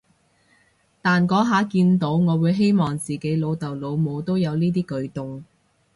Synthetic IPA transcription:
t̪aː˨nkɔː˨˥ɦaː˨˥kiː˧nt̪o˨˥wŋɔː˨˧wuː˨˧jɦe˥jmɔː˨˩ŋt͡siː˨˩ke˨˥jlo˨˧wt̪ɐ˨˩wlo˨˧wmo˨˧wt̪o˥wjɐ˨˧wniː˥t̪iː˥kɵ˨˧ɥt̪ʊ˨ŋ

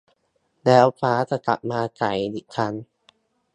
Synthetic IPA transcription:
lɛː˦˥wfʰaː˦˥t͡ɕa˨˩ka̰˨˩p̚maː˧t͡ɕa˨˩˦jdi˨˩kʰa˦˧˥n

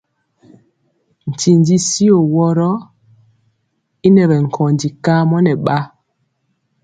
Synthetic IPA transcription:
n̩˨ti˨ndi˦si˦o˨wɔ˦ɾɔ˦ | i˦nɛ˨βɛ˨ŋ̩˨kʰɔ˨ndi˨ka˦mɔ˦nɛ˨ɓa˦

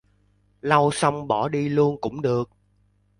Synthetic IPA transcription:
la˧wsa˧wŋ͡mɓɔ˧˩ɗi˧lu˧ənkʊ̰˧˥ŋ͡mɗɨ˨˩ək̚

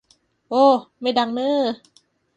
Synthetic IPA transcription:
ʔoː˧˩ma˥˩jda˧ŋmɯː˧˥˩

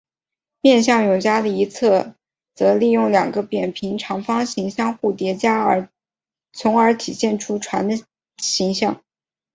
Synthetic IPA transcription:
mjɛ˥˧nɕjɑ˥˧ŋjʊ˥˨˩ŋt͡ɕja˥d̪ə˨i˧˥t͡sʰɤ˥˩ | t͡sɤ˧˥li˥˧jʊ˥˩ŋljɑ̰˨˩ŋɡə˦pjɛ˨˩npʰi˧˥ŋʈ͡ʂʰɑ˧˥ŋfɑ˥ŋɕi˧˥ŋɕjɑ˥˧ŋxu˥˩t̪jɛ˧˥t͡ɕja˥ə˞˧˥ | t͡sʰʊ˧˥ŋə˞˧˥t̪ʰi˨˩ɕjɛ˥˩nʈ͡ʂʰu˥ʈ͡ʂʰwa˧˥nd̪ə˧ | ɕi˧˥ŋɕjɑ˥˩ŋ

